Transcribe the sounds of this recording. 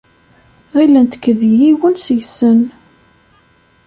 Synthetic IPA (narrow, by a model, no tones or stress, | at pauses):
ʁilænt̪ə̥kːəðjjiwənsjsən